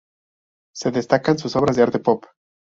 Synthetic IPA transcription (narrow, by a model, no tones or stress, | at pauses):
se̞ðest̪akans̬uso̞βɾazðeaɾt̪e̞pop